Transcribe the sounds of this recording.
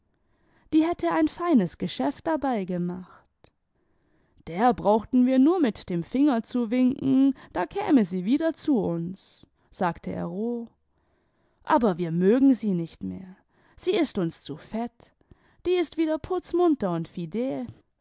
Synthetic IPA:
d̥iːhɛtʰəaɪnfaɪnəsɡ̥əʃɛft̚d̥abaɪɡəmaχt | d̥eːɐbʁaʊxtn̩viːɐnuːɐmɪtd̥eːmfɪŋɐt͡suvɪŋkŋ̩d̥aːkʰɛ̰ːməziːviːdɐt͡suʔʊns | z̥aːktʰəʔḛɐʁoː | ʔaːbɐviːɐmøːɡŋ̩ziːnɪçtmḛːɐ | z̥iːɪstʊnst͡sufɛt | d̥iːɪstv̥iːdɐpʰʊt͡smʊntɐʊntfideː

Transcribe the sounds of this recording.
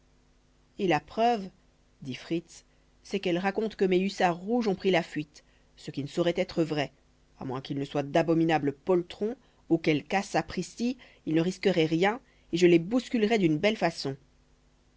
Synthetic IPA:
elapχœv | d̪ifχit̪s | sɛkɛlʁakɔ̃t̪kəmeysaʁuʒɔ̃pχilafɥit̪ | səkʲinəsɔʁɛt̪ɛt̪χəvʁɛ | a̰mwɛ̃kʲilnəswad̪abɔminabləpɔlt̪χɔ̃ | ukɛlkasapχisi | ilnəʁiskəʁɛʁjɛ̃ | eʒəlebuskʲylʁɛd̪ynbɛlfasɔ̃

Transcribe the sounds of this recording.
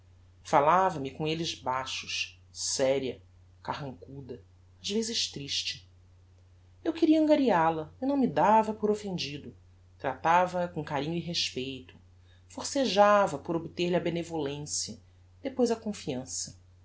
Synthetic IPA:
falavɐmikõelɪzbaʃʊ̥ʃ | sɛɾiɐ | kahɐ̃ŋkud̪ɐ | azvezɪʃt̪ɾiʃt͡ʃɪ | ewkɪɾiɐẽŋɡaɾialɐinɐ̃w̃mid̪avɐpoɾofẽnd͡ʒid̪ʊ | t̪ɾat̪avɐːkõkaɾĩɲʊiɦeʃpeejt̪ʊ̥ | foɾseʒavɐpʊɾobt̪eɾliɐbenevolẽsjɐ | d̪̥epojzɐkõfiɐ̃sɐ

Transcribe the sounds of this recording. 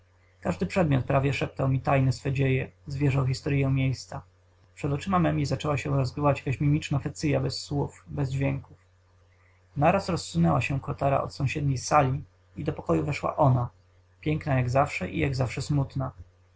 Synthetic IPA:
kaʐd̪ɘpʂɛd̪mʲjɔt̪̚pɾavʲjɛʂɛp̚t̪awmʲit̪ajnɛsfɛd͡ʑejɛzvʲjɛʐawxʲist̪ɔɾjɛ̃w̃mʲjejst̪sa | pʂɛd̪ɔt͡ʂɘmamɛmʲizat͡ʂɛwaɕɛ̃ɾɔzɡɘvat͡ɕjakaɕmʲimʲit͡ʂnafɛt̪sɘjabɛsːwufbɛzd͡ʑvʲjɛŋkuf | naɾasɾɔsːunɛwaɕɛkɔt̪aɾa̰ʔɔ̰t̪sɔ̃w̃ɕɛd̪ɲejsalʲi | id̪ɔpɔkɔjuvɛʂwa̰ʔɔna | pʲjɛŋknajaɡzafʂɛʔḭjaɡzafʂɛsmut̪na

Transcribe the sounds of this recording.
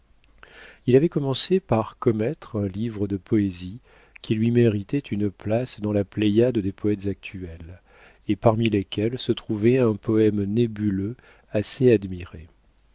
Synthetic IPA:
ilavɛkɔmɑ̃sepaʁkɔmɛt̪χɛ̃livʁəd̪əpʰɔezi | kʲʰilɥimeʁit̪ɛt̪ynplasd̪ɑ̃laplɛjad̪d̪epɔɛt̪zak̚t̪ʰyɛl | epaʁmilekʲʰɛlsət̪χuvɛɛ̃pɔɛmnebylø | asead̪miʁe

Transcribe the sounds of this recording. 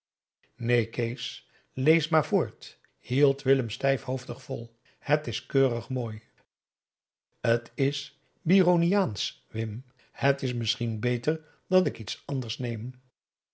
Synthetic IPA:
nejkejs | lejsmaːɹvʊːɹt | hilˠtʋɪləmstɛjfhowftəχfɔlˠ | hətɪskøːrəχmoːj | hətʰɪs | bironijaːns | ʋɪm | hətɪsmɪsχinbejtəɹ | dɑnɪkitsɑndəɹsnejm

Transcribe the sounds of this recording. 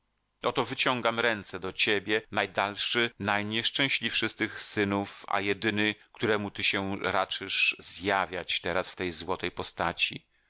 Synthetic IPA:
ʔɔt̪ɔvɘt͡ɕɔŋɡamɾɛnt̪sɛd̪ɔt͡ɕebʲjɛnajd̪alʂɘnajɲɛʂt͡ʂɛ̃w̃ɕlʲifʂɘst̪ɘxsɘnufa̰jɛd̪ɘnɘkt̪uɾɛmut̪ɘɕɛɾat͡ʂɘʂzjavʲjat͡ɕt̪ɛɾasft̪ɛjzwɔt̪ɛjpɔst̪at͡ɕḭ

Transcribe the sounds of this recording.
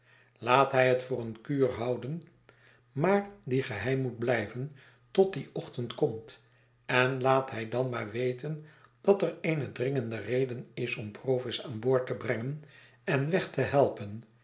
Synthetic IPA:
laːtɦɛjɦətfʊːrənkyːrɦɑwdən | maːɹdiχəɦɛjmːud̚blɛjvən | tɔt̚diʔɔχtəntkɔmt | ɛnlaːtɦɛjdɑnmaːɹʋejtən | d̥ɑtəɹejnədrɪŋəndərejdənɪsɔmprowfɪsaːnboːɹtəbrɛŋən | ɛnʋɛχtəɦɛlˠpən

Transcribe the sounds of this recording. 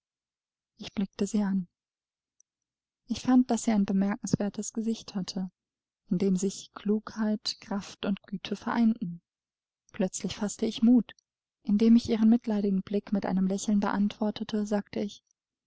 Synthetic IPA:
ʔɪçb̥lɪk̚təziːʔan | ʔɪçfant̚d̥asz̥iːaɪnbəmɛɐkŋ̩sv̥eːɐtəsɡ̥əzɪçthatʰə | ʔɪndeːmzɪçkʰl̥uːkhaɪtkʁ̥aftʊntɡ̥yːtʰəfɛɐʔa̰ɪntn̩ | pl̥œt͡slɪçfastəɪçmuːt | ʔɪndeːmɪçʔiːʁ̞ənmɪtlaɪɾɪɡŋ̩blɪkmɪtʔa̰ɪnəmlɛçl̩nbə̰ʔantv̥ɔɐtʰətʰəzaːk̚tʰəɪç

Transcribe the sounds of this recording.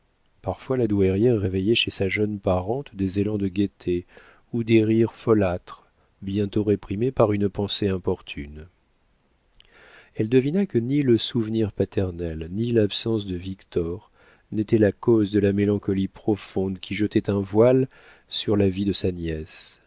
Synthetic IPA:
paʁfwalad̪wɛʁjɛʁːevejɛʃesaʒœnpaʁɑ̃t̪d̪ezelɑ̃d̪əɡʲet̪ʰe | ud̪eʁiʁfɔlat̪χ | bjɛ̃t̪oʁepχimepaʁynpɑ̃seɛ̃pɔʁt̪ʰyn | ɛld̪əvinakəniləsuvniʁpat̪ɛʁnɛlnilapsɑ̃sd̪əvikt̪ɔʁ | net̪ɛlakɔzd̪əlamelɑ̃kɔlipχɔfɔ̃d̪kʲʰiʒət̪ɛt̪ɛ̃vwal | syʁlavid̪əsanjɛs

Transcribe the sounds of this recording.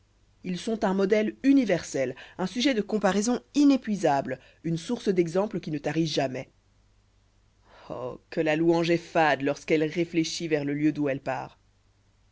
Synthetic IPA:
ilsɔ̃t̪ɛ̃mɔd̪ɛlynivɛʁsɛlɛ̃syʒɛd̪əkɔ̃paʁɛzɔ̃inepɥizabl | ynsuʁsəd̪ɛɡzɑ̃pləkʲinət̪aʁiʒamɛ | ɔ̰kəlaluɑ̃ʒɛfad̪lɔʁskɛlʁefleʃivɛʁləljød̪uɛlpa̰ːʁ

